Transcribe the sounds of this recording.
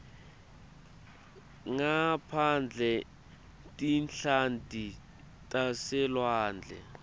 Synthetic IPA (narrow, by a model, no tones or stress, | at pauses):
ŋapʰand͡ɮʱɛ | tʼint͡ɬʰandʱi | tʼasɛlwaːnd͡ɮʱɛ̰